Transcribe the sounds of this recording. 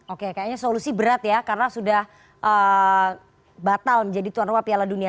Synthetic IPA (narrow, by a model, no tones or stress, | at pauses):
okekajaɲasolusibəɾat̪jakarənasudah | ʔə | bat̪alməɲd͡ʒadit̪uanrupapialadunia